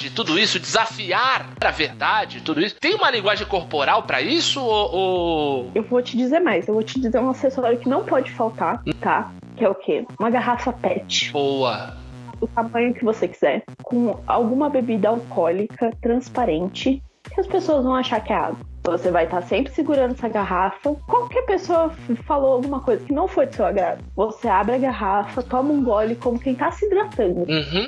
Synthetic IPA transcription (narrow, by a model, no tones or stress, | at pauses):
d͡ʒɪt̪ud̪ʊisʊd͡ʒɪzafiaɾ | ɾɐveɾd̪ad͡ʒɪt̪ud̪ʊisʊt̪ẽj̃ũmɐlĩɡwaʒẽj̃koɾpoɾawpɾɐisʊoʔoewvot͡ʃɪd͡ʒizeɾmajsewvot͡ʃɪd͡ʒizeɾũasesɔɾjʊkɪnɐ̃w̃pɔd͡ʒɪfawt̪aɾt̪a | kɪɛʊkʰeũmɐɡaɦafɐpɛt͡ʃɪ̥bowɐ | ʊt̪amɐ̃ɲʊkɪvosekiz̥ɛɾ | kʰõa̰wɡũmɐbebid̪ɐawkʰɔlikʰɐt̪ɾɐ̃spaɾẽnt͡ʃɪ | kɪɐspesoɐzvɐ̃w̃aʃaɾkɛa̰d̪ʊ | vosevajt̪asẽmpɾɪsɪɡuɾɐ̃nd̪ɛsɐɡaɦafɐkõmʊkɪɐpesoɐfalowawɡũmɐkojzɐkɪnɐ̃w̃fojd͡ʒɪsewaɡɾa̰d̪ʊvoseabɾɪɐɡaɦafɐt̪ɔ̃mɐũɡɔlɪkõmʊkẽj̃t̪asɪd̪ɾat̪ɐ̃nd̪ʊ